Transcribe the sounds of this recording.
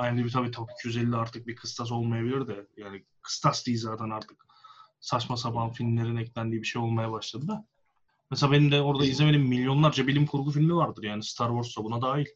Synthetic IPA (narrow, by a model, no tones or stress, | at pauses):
ajd̪ibit̪ʰabiːt̪ʰaki̥cʰyjyzɛlʲːiaɾt̪ʰɯk̚bikʰɯst̪ʰas̬o̞lˠmajabilʲiɾd̪ɛjaːni | kʰɯ̥st̪ʰasd̪iːzaːt̪ʰænaɾt̪ʰɯ̥k | sat͡ʃmas̬abanfilʲmlʲe̞ɾinɛclʲænd̪iːbiʃe̞jo̞lˠmajabaʃlˠad̪ɯd̪a | mɛselabe̞nimd̪ɛo̞ɾd̪aizleme̞d̪iːmːilʲjo̞nlˠaɾd͡ʒabilʲimkʰuɾɡufilʲmivaɾd̪ɯɾjaːnist̪ʰaɾvo̞ɾst̪abunad̪aːjilʲ